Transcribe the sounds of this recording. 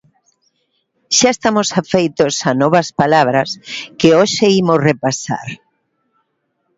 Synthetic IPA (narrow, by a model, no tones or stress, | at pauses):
ʃaest̪amosafejt̪osanɔβɐspalaβɾɐskɪoʃeimosrepasa̰ɾ